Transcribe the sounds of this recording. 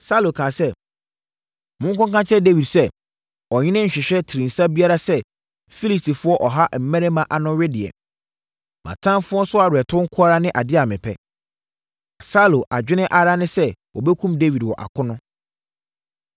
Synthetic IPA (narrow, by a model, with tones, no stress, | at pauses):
sa˦˨lo˨kʰã˨sɛ˦ | mʊ̃˦ŋ̩˦kɔ̃˦kã˦t͡ɕʰɛ˦de˦wi˨dsɛ˦ | ɔ˨ɲɪ̃˦nɪ̃˦ɲ̩˨ɕᶣɪ˨ɕᶣɛ˦tʰɪ˨ɾĩ˨n̩˨sa˦bi˦a˦ɾa˦sɛ˦ | fi˦li˨sti˨fʊ˦ɔ˦ʔɔ˨ɦa˦m̩˨mɛ̃˦ɾɛ˦mã˨ʔa˨nʊ̃˦ɥɪ˦dɪ˨ɛ̰˨ | mã̰˨tʰã˦mfʊ˦ɔ˦sʊ˦a˨ɾɪ˨ɛ˨tʰʊ̃˦ŋ̩˦kʰʊ˦a˦ɾa˦nɪ̃˦ʔa˨dɪ˦a˨mɪ̃˨pʰɛ˦ | a˨sa˦˨lo˨ʔa˨d͡ʑᶣɪ˦nɪ̃˦ʔa˨ɾa˦nɪ̃˦sɛ˦wʔɔ̰˨bɛ˦kʰũ˦mde˦wi˨dwɔ˨ʔa̰˨kʰʊ˦nʊ̃˦